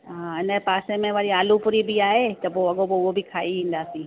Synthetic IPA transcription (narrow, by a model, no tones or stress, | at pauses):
ɦãɪnəpaːsẽmẽʋaɽiaːlupʊɾibʱiaːɦet̪ɐboɐɠoboobʱikʰaːiʋĩːn̆d̪aːsiː